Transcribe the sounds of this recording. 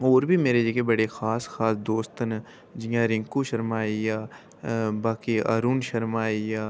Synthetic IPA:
oːɾbʱimeːɾed͡ʒekebɐɽexaːsxaːsd̪oːst̪ən | d͡ʒɪjãɾɪ̃ŋkuʃəɾmaːijaː | baːkia̰ːɾuːnʃəɾmaːijaː

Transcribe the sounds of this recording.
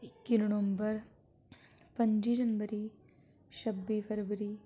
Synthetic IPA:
ikːinɐɽʋɐmbɐɾ | pɐɲd͡ʒiːd͡ʒɐnbɐɾi | ʃɐbːipʰɐɾʋɐɾi

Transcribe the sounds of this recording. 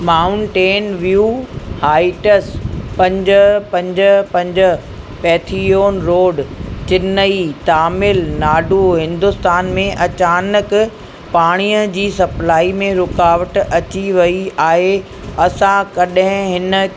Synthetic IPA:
maːʊɳʈeːnʋijuːhaːɪʈəspɐ̃ɲd͡ʑəpɐ̃ɲd͡ʑəpɐ̃ɲd͡ʑə | pɛːt̪ʰioːnɾoːɖt͡ɕɪnəit̪aːmɪlnaːɖʱuɦɪ̃nd̪ʊst̪aːnmẽʔɐt͡ɕaːnək | paːɽ̃iːjəd͡ʑiːsɐplaːimẽɾʊkaːʋəʈɐt͡ɕiʋɐiaːɦe | ɐsãkɐɗɦɪ̃ɦɪnə̆

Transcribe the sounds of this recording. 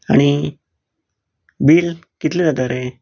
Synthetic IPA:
a̰ɽ̃i | biːlkit̪liɾat̪aɾe

